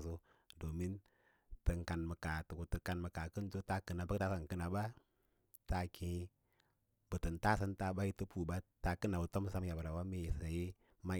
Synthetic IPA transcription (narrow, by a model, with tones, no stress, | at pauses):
su˦ | do˨mi˦n | tə˨ŋka˨nmə˨ka˨tə˨ku˨tə˨ka˨nmə˨ka˨kə˦n˦to˦ta˦kə˨na˨ba˦kta˦sa˨ŋkə˦na˨ba˦ | ta˦kĩ˨˦ | bə˨tə˨nta˦sə˦nta˨ba˦ji˦tu˦pu˨ba˦ta˨kə˦na˨bu˨to˦m˦sa˦mja˨bə˨ɾa˨wa˦mi˦˨sa˨ji˦ | ma˦